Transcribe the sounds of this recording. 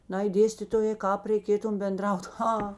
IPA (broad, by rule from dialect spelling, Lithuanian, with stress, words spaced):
ˈnɐɪ ˈdʲeːsʲtʲɪtoːjeː ˈkɑːp rʲɛɪˈkʲeːtʊm bʲɛnˈdrɐʊt ˈɣɐ